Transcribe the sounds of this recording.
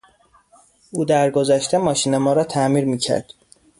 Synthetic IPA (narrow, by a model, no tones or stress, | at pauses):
uːd̪æɾɡo̞zæʃt̪ʰemɒːʃiːnemɒːɾɒːt̪ʰæmiːɾmiːcʰæ̰ɾd̪̥